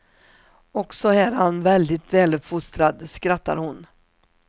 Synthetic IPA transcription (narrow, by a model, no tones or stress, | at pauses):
ɔksɔɛɾhanvɛld̪ɪt̪vɛːlɵpfʊst̪ɾad̪skɾat̪ːa̰ɾhʊn